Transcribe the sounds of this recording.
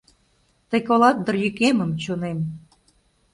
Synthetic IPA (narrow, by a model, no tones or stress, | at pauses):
t̪ə̆kolɑt̪̚d̪ə̆rjykeməmt͡ɕonem